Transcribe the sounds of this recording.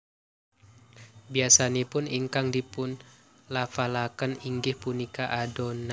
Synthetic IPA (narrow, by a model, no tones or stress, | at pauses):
biasanepʊniŋkaŋdipʊn | lafalakəniŋɡɪhpunikaʔadona